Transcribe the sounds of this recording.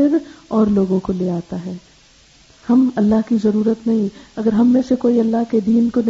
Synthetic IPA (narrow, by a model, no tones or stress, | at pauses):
ɪɾɔːɾloːɡõkoleːaːt̪aɦɛː | hɐmɐlːaɦkizɐɾuːɾət̪nɐɦĩɐɡəɾɦɐmːẽsekoːiɐlːaɦked̪iːnkon